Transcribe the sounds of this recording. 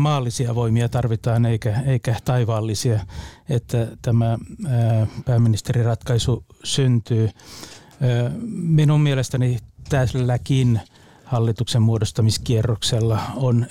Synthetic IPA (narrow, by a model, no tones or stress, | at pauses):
mɑːlːisiɑʋoimiɑt̪ɑrʋit̪ɑːneikæeikæt̪ɑiʋɑːlːisiɑet̪ːæt̪æmæ | pæːmːinist̪erirɑt̪kɑisusynt̪yː | minummielest̪ænit̪æsllækin | hɑlːit̪uksemmuodost̪ɑmiskierːokselːɑon